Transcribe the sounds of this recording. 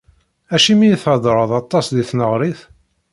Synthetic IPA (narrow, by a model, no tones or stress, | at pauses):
æʃimijiθʕəd̪ˤɾˤɑðˤɑt̪ˤːɑsðiθnəʁɾiθ